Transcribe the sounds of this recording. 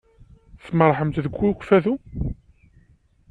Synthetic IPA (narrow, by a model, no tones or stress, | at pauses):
θməɾˤħəmt̪ðəɡʷːukʷfæðu